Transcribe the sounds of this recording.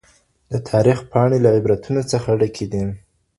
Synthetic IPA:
d̪ət̪ʰɑɾixpʰɑɳelaɪbɾat̪ʰunot͡səxaɽəkʰed̪i

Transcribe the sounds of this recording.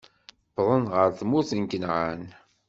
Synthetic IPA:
pːðˤənʁəɾθmuθənkənʁan

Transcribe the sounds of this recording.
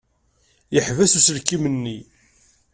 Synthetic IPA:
jəħvæsusəlkːimənːi

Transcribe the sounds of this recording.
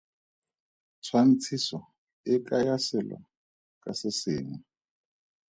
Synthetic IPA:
t͡sʰwan̩t͡sʰisɔ | ɪkajasɛla̰ | kʼasɪsɪːŋwa

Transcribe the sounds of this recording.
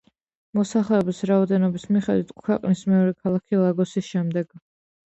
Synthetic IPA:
mɔsaχlɛɔbisɾaɔd̪ɛnɔbismiχɛd̪wit̪ʰkʰwɛqʼnismɛɔɾɛkʰalˠakʰilˠaɡɔsisʃɛmd̪ɛɡ̥

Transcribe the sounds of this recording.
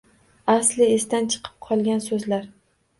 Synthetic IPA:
aslɪesd̪ant͡ʃʰɨ̥qʰɨ̥p̚qʰɒlˠɡʲansɵzlaɾ

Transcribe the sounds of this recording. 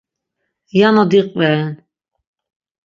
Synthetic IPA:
janɔd̪iqʼvɛn

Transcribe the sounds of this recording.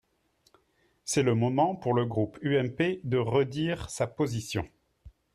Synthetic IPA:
sɛləmɔmɑ̃puʁləɡʁupyɛmped̪əʁəd̪iʁsapozisjɔ̰̃

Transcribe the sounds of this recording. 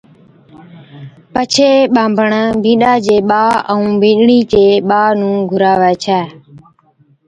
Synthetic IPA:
pət͡ʃʰeːɓãːmbʱəɳbʱĩːɗaːd͡ʒeːɓaːəũːbʱĩːɗɳiːt͡ʃeːɓaːnũːɡʱʊɾaːʋɛːt͡ʃʰɛː

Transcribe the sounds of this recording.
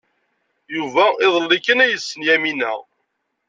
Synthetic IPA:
juvæɪðˤəlːikːənæjəsːənjæminæ̰

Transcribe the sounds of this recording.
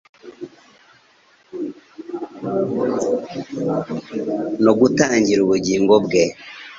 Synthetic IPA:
noɡutaːɲɟiɾuβuɟiːŋɡobɡe

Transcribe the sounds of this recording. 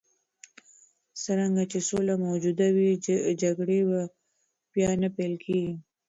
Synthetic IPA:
saɾaŋɡat͡ʃesolamowd͡ʒud̪awid͡ʒaɡɽeba | pjɑnapejlkʰeɡi

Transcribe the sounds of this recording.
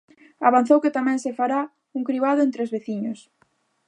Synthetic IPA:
aβan̟θowkɪt̪amɛ̃ŋsefaɾa | uŋkɾiβaðʊent̪ɾeozβeθiɲos

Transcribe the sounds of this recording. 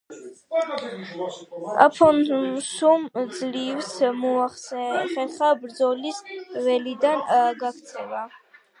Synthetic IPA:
a̰pʰɔnsumd̪zlivsmɔaχsɛχɛχabɾd̪zɔlisvɛlid̪anɡakʰt̪sʰɛva

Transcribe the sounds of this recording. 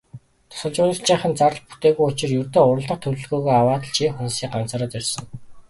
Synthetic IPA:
t̪ʰɔ̥sə̆ɮt͡ɕʊːnə̆kt͡ɕiːɴχə̆nt͡saɾə̆ɮpu̥t̪eːɣujʊt͡ɕɪ̆rjɵrt̪ɵːŋʊɾə̆ɮt̪ə̆q̚t̪ʰɵɾɵ̆ɮɣoːɣːjawaːt̪ə̆ɮt͡ɕʰiːxunsiːɢant͡saːɾə̆ːt̪irʲsə̆ŋ

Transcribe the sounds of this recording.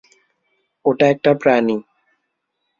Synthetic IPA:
oʈaɛk̚ʈapɾani

